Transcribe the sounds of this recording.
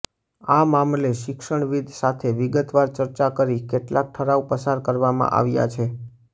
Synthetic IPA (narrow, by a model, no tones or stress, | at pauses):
amamleʃɪkʃəɳ̃ʋid̪ʱsat̪ʰeʋɪɡət̪ʋaɾt͡ʃəɾt͡ʃakəɾikeʈlak̚ʈʰəɾaupəsaɾkəɾʋamã̰ʔa̰ʋja̰t͡ʃʰe